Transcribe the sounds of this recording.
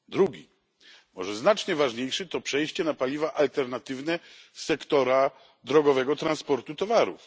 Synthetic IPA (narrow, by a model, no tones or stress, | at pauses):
d̪ɾuɡʲi | mɔ̰ʐɛznat͡ʂɲɛvaʐɲejʂɛt̪ɔpʂɛjɕt͡ɕɛnapalʲivaʔalt̪ɛɾnat̪ɘvnɛsɛkt̪ɔɾa | d̪ɾɔɡɔvɛɡɔt̪ɾanspɔɾt̪ut̪ɔvaɾṵf